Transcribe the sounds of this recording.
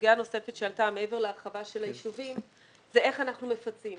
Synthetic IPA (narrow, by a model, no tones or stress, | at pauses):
ɡano̞se̞fetʃealtameeve̞ʁleaʁχavaʃe̞lajiʃuvim | zee̞χanaχnumefat͡sim